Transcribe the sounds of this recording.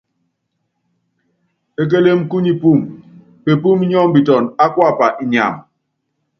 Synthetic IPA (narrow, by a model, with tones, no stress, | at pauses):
e˦k̬e˦le˦mku˦ɲi˦pu˦˨m | pe˨pu˦m˦ɲɔ˦mbi˨tɔ˨na˦kwa˦˨pa˨ʔi˨ɲa̰˨m